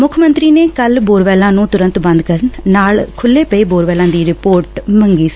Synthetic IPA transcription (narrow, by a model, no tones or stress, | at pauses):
mʊkʰmənt̪ɾiːneːkəlboːɾʋɛːlãːnũːt̪ʊɾə̃nt̪bə̃nd̪kəɾəɳnaːlkʰʊlːeːpəiːboːɾʋɛːlãːd̪iːɾɪpoːɾʈməŋɡiːsi̥ː